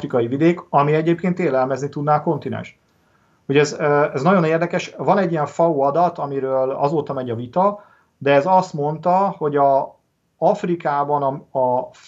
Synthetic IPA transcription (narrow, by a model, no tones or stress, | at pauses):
rikɒjivid̪eːkɒmiɛɟeːp̚keːnt̪eːlɛlmɛznit̪ud̪naːɒko̞nt̪inɛ̰nʃ | hoɟɛzøɛznɒɟo̞neːrd̪ɛkɛʃvɒnɛɟːijɛɱfɒuːɒd̪ɒt̪ɒmiɾøːlɒ̰zoːt̪ɒmɛɟɒvit̪ɒ | d̪ɛːzɒst̪mo̞nt̪ɒho̞ɟɒ | ɒfrikaːbɒnɒɒ